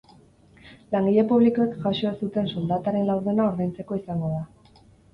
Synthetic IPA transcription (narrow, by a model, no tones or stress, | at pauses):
laŋɡiʎepuβliko̞ekʝaʃo̞esut̪e̞nsold̪at̪aɾe̞nlawɾð̞e̞naoɾðajnt͡se̞ko̞isaŋɡo̞ða